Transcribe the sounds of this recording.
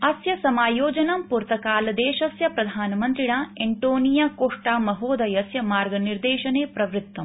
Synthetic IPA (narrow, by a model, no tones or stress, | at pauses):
ɐsjɐsɐmaːjoːd͡ʒɐnɐmpuɾt̪ɐkaːlɐd̪eːʃɐsjɐpɾɐd̪ʱaːnɐmɐnt̪ɾiɳaːeɳʈoːnijaːkoːʂʈaːmɐɦoːd̪ɐjɐsjɐmaːɾɡɐniɾd̪eːʃɐneːpɾɐʋɾit̪ːɐm